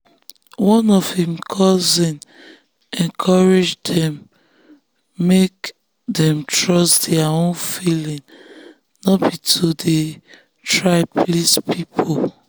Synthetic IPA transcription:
wɔ̃nɔv̥hĩmkʰɔzĩn | ɛ̃nkʰɔɹed͡ʒdɛ̃m | ek̚ | dɛ̃mtɹɔstdɛaõnfilĩŋ | nɔbitʰude | tʰɹaɪplispʰipʰo

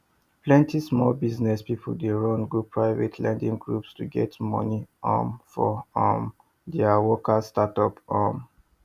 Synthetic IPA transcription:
plɛ̃ntʰismɔlbiznɛspip̩ʰdeɹɔ̃nɡupʰːɹaɪvɛtʰlɛ̃ndĩŋɡɹupstuɡɛtmɔ̰niɔ̰̃mfɔɔm | dɛawɔkastatɔpɔ̃m

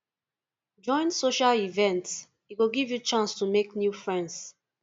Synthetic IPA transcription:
d͡ʒɔ̃ɪ̃nsoʃalivɛ̃nts | iɡoɡivjut͡ʃãnstumeknjufɹɛ̃nds

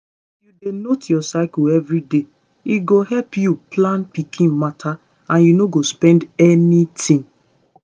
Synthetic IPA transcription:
judenotjɔsaɪkuɛvɹide | iɡohɛlpjuplãnpikʰĩnmatʰa | ãnjunoɡospɛ̃ndɛnitʰĩŋ

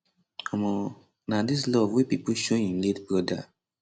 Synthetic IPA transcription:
ɔmɔ̃ | nadis̬lɔvwepipuʃoĩnletbɹɔda̰

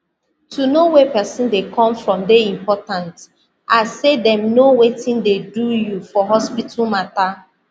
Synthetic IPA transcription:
tʰunowɛpɛsɔ̃ndekʰɔ̃mfɹɔ̃mdeĩmpɔtãnt | ʔasedɛ̃mnowetĩndedujufɔɦɔspitʰulmata

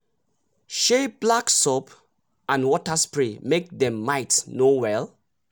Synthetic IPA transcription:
ʃeb̥laksɔp | ãnwɔtaspɹĩmek̚dɛ̃mːaɪtnowɛl

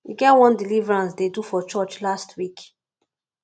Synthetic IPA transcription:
iɡɛtwɔ̃ndilivɹãnsdedufɔt͡ʃɔt͡ʃlastʰwik

